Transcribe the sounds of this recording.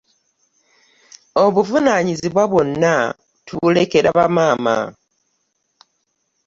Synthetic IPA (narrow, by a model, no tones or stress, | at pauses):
o̞βuvunaɲiziβwaβwo̞nːa | tule̞ke̞ɾaβamaːma̰